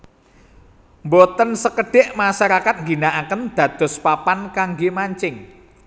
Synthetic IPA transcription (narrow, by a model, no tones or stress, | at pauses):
mbot̪ənsəkəɖ̥ɪʔmaʃaɾakat̪̚ŋɡinaʔakənd̪̥ä̤d̪̥ɔ̤spapankaŋɡemaɲt͡ʃɪŋ